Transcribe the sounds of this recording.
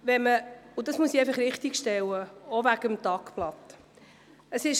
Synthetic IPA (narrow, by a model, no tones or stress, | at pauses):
ʋɛməʊdɑsmuəsiɛjfəχɾɪχt̪ikʃtɛwəɔvæɡ̥əmt̪ɑkplɑt̪ | əsɪʃ